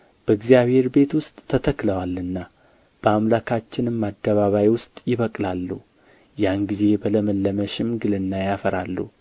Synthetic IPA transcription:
b̥əɨɡzijaβhe̞ɾbe̞t̪wʊst̪ʼːʰət̪ʰəkləwalːɨnːa | b̥əamlakʰat͡ʃːɪnɨmːad̪ːəβaβajwʊst̪ʼjɪβəkʼlalːu | janɡize̞bələməlːəməʃɪmɡɨlɨnːajafəɾalːṵ

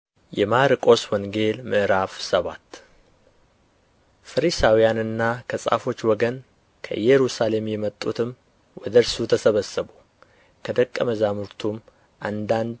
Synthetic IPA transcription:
jɛmaɾɨkʼo̞swɔŋɡe̞lmɨʔɾafsəβa̰t̪ː | fəɾisawijanɨnːakʰəsʼa̰fo̞t͡ʃːwɔɡən | kʰə̰jɛɾusale̞mjɛmət̪ʼːut̪ʰɨm | wɔd̪əɾsut̪ʰəsəβəsəbu | kʰəd̪əkʼːəməzamɨɾt̪ʰum | ʔand̪and̪

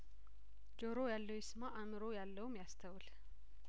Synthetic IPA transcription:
d͡ʒoɾojalːəwjɪsmaʔamɨɾojalːəwumjast̪ʰəwɨl

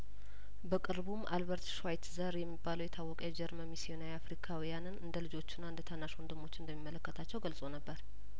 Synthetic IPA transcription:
bəkʼɨɾbumʔa̰lβəɾt̪ʃwajt̪zəɾjɛmːibːaləwjɛt̪ʰawːɔkʼaɛd͡ʒɛɾməmisijo̞naɾiafɾikʰawijanɨnɨnd̪əlɨd͡ʒo̞t͡ʃːɪnːaɨnd̪ət̪ʰanːaʃɔnd̪ɨmo̞t͡ʃːɪnd̪əmːimːələkːət̪ʰat͡ʃːɛwɡəlsʼo̞nəbːəɾ

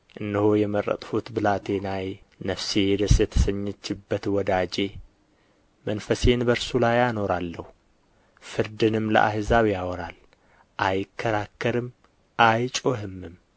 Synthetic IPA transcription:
ʔɨnːɨhojɛmərːə̰t̪ʼfut̪bɨlat̪ʰe̞naj | nəfsejɛd̪əsjɛt̪ʰə̥səɲːɛt͡ʃːɪbːət̪wɔd̪ad͡ʒe̞ | mənfəse̞nbəɾsulajano̞ɾalːəhu | fɨɾd̪ɨnɨmlə̰ʔa̰ɦɨzawijawɔɾal | ʔajɪkʰːəɾakːəɾɨm | ʔajt͡ʃʼoɦɨmːɨm

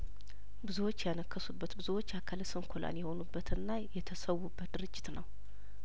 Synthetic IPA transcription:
bɨzuwot͡ʃːɛjanəkʰːəsubːət̪bɨzuwo̞t͡ʃːakʰalsɨmkʰolʔa̰njɛho̞nubːət̪ʰɨnːajɛt̪ʰəsəwːubːət̪̚d̪ɨɾɨd͡ʒːɪt̪nəw

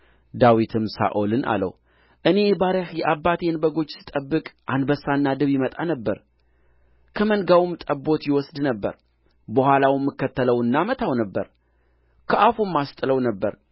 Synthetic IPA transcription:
d̪awit̪ʰɨmsa̰ʔolɨnʔa̰lə̰w | ʔɨne̞baɾəhjɛʔabːat̪ʰeɨnbəɡo̞t͡ʃːsɨ̥t̪ʼəbːɨkʼʔand̪bəsːanːad̪ɨβjɪmət̪ʼanəbːəɾ | kʰəmənɡawmt̪ʼəbːo̞t̪jɪwɔsd̪nəbːə̰ɾ | bəhʷalawmːɨkːət̪ːələwɨnːamət̪ʰawnəbːəɾ | kʰəʔafumːast̪ʼɨləwnəbːəɾ

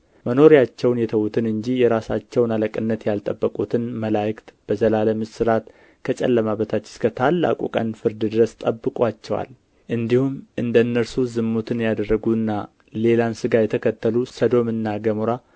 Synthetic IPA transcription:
məno̞ɾijat͡ʃːɛwnjɛt̪ʰəwut̪ʰɨnɨɲd͡ʒijɛɾasat͡ʃːɛwnaləkʼɨnːət̪jalt̪ʼəbːəkʼut̪ʰɨnməlajkt̪b̥əzəlaləmɨsɨɾat̪ | kʰət͡ʃʼɛ̰lːəmaβət̪ʰat͡ʃːɪ̥skʰət̪ʰalːa̰kʼṵkʼə̰nfɨɾd̪ɨd̪ɨɾəst̪ʼəbːɨkʼʷat͡ʃːɛwa̰l | ʔɨnd̪ihumʔɨnd̪ənːəɾsuzɨmːut̪ʰɨnjad̪ərːəɡuɨnːa | le̞lansɨɡajɛt̪ʰəkʰət̪ʰːəlusəd̪o̞mɨnːaɡəmoɾa

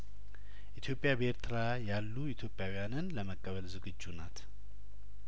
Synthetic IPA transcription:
ʔit̪ʰjo̞pʼːjabeɾt̪ʰɨɾa | jalːuit̪ʰjo̞pʼjawujanɨnləməkʼːəβəlzɨɡɨd͡ʒːunat̪

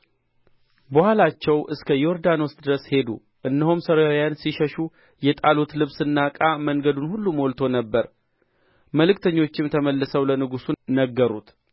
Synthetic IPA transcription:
bəhalat͡ʃːɛwʔɨskʰəjo̞ɾd̪anɔst̪ʼd̪ɨɾəshe̞d̪ṵ | ʔɨnːəhumsəɾajansiʃəʃu | jɛt̪ʼalot̪lɨβsɨnːakʼaməŋɡəd̪unhulːumolt̪ʰo̞nəbːəɾ | məlɨkt̪ʰəɲːo̞t͡ʃːɪmt̪ʰəməlːəsəwlənɨɡusunəɡːəɾut̪

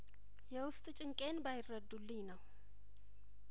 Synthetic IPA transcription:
jɛwʊst̪ʼt͡ʃʼɪŋkʼenbajɪrːəd̪ːulːinəw

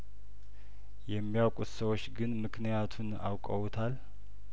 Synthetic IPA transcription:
jɛmːijawkʼut̪səwo̞t͡ʃːɡɨnmɨkʰnijat̪ʰuna̰wkʼəwut̪ʰal

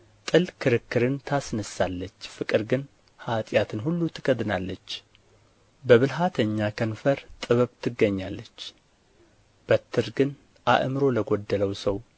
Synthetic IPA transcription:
t̪ʼɨlkʰɨɾɨkːɨɾɨnt̪ʰasnəsalːət͡ʃːfɨkʼɨɾɡɨn | hat̪ʼjat̪ʰɨnɦulːut̪ʰɨɡəd̪nalːət͡ʃː | bəβɨlɦat̪ʰəɲːakʰənfəɾt̪ʼɨβəβt̪ʰɨɡːəɲːalːət͡ʃː | b̥ət̪ʰːɨɾɡɨn | ʔa̰ʔmɨɾo̞ləɡod̪ːələwsəw

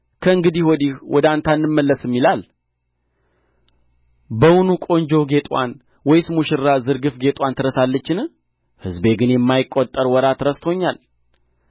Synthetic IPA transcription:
kʰəɨŋɡɨd̪ihwɔd̪iwʔɔd̪ant̪ʰanːɨmːəlːəsɨmːilal | bəwunukʼo̞ɲd͡ʒowɡe̞t̪ʼwa̰n | wɔjsmuʃɪɾːazɨɾɡɨfɡet̪ʼwant̪ʰɨɾəsalːət͡ʃːɪn | hɨzbe̞ɡɨnjɛmːajɪkʼːot̪ʼːəɾwɔɾat̪ɾəst̪ʰoɲːal

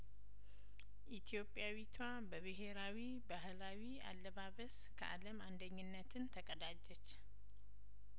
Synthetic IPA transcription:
ʔit̪ʰijo̞pʼjawit̪ʰwa | bəβɨɦe̞ɾawi | baɦlawia̰lːəβaβəs | kʰə̰ʔa̰ləmand̪əɲːɨnːət̪ʰɨnt̪ʰəkʼəd̪ad͡ʒːɛt͡ʃː

